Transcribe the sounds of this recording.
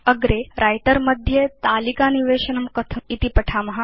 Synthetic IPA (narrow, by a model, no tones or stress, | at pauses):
əɡɾeɾajʈəɾmɐd̪ʱjet̪aːlikaːniʋeːɕɐnɐmkɐt̪ʰɐit̪ipɐʈʰamɐɦa